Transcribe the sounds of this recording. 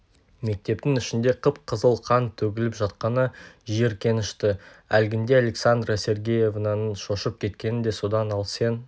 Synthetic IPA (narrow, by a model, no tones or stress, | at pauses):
me̞k̚t̪e̞p̚t̪ɪŋʏʃɪnd̪e̞qʰəpqʰəzəlˠqʰɑnt̪ʰɵɡʲɪlɪpʒɑt̪qɑnəʒe̞ɾkʲʰe̞nɪʃt̪ɪælɡʲɪnd̪e̞ale̞ksand̪rase̞ɾɡʲeje̞vnɑnʃo̞ʃəp̚kʲʰe̞t̪kʲe̞nɪnd̪e̞so̞d̪ɑnɑlˠse̞n